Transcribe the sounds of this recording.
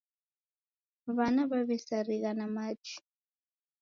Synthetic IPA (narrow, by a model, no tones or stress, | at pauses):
βanaβaβɛsaɾiɣanamat͡ʃi̥